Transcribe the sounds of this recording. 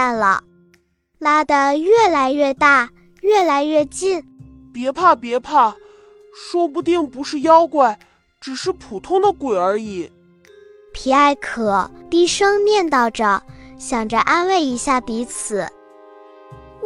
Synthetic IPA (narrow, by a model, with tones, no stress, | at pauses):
nlə̰˩ | la˥d̪ə˧ɥɛ˥˩la˧˥ɪɥɛ˥˧t̪a˥˩ | ɥɛ˥˩la˧˥ɪɥɛ˥˧t͡ɕi˥˩n | pjɛ˧˥pʰa˥˩pjɛ˧˥pʰa˥˩ | ʂwɔ˥p̬u˧t̪i˥˩ŋpu˧˥ʂɻ̩˥˧jɑ˥ʊkwa˥˩ɪ | ʈ͡ʂɻ̩˨˩ʂɻ̩˥˩pʰu˨˩t̪ʰʊ˥ŋd̪ə˨kwe˨˩ə˞˧˥i˨˩˦ | pʰi˨˧˩a˥˩ɪkʰɤ˨˩˦t̪i˥˩ʂɤ˥ŋmjɛ˥˧nt̪ɑ˥˩ʊʈ͡ʂə˧˩ɕjɑ˨˩ŋʈ͡ʂə˦ʔa˥nwe˥˩ɪi˧˥ɕja˥˩pi˧˥t͡sʰɹ̩˨˩˦